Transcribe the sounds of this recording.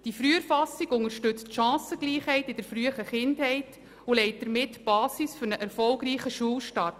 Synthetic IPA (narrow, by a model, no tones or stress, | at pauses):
d̥ifɾyːəɾfɑsiɡʊŋəɾʃtʏt͡stʃɑ̃ːsəɡ̥liːχhɛɪtɪd̥əɾfɾyəχəχɪndhɛɪt | ulɛɪt̚d̥̪əɾmɪtb̥ɑːsisfʏɾnəʔɛɾfɔlɡɾiːχəʃuəlʃtɑt